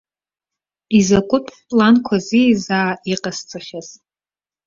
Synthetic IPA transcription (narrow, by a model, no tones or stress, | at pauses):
izakʷʼʊtʼʰpʼlankʷʰazizaːiqʼast͡sʼaχʲaz